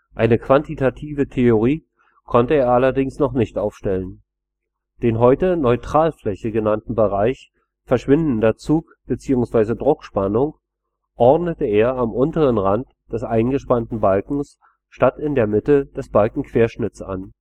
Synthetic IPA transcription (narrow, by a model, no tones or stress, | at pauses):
ʔaɪnəkv̥antitʰatʰiːvətʰeoʁ̞iː | kʰɔntəeːɐʔalɐdɪŋsnɔχnɪçtʔaʊfʃtɛlən | d̥eːnɦɔʏtənɔʏtʁ̥aːlflɛçəɡənantn̩bəʁaɪç | fɛɐʃv̥ɪndn̩dɐt͡suːkb̥ət͡siːʊŋsv̥aɪzədʁʊkʃpanʊŋ | ʔɔʁdnətəeːɐamʔʊntəʁənʁant | d̥ɛsʔaɪnɡəʃpantn̩balkŋ̩s | ʃtatɪndeːɐmɪtəd̥ɛsb̥alkŋ̩kv̥eːɐʃnɪt͡sa̰n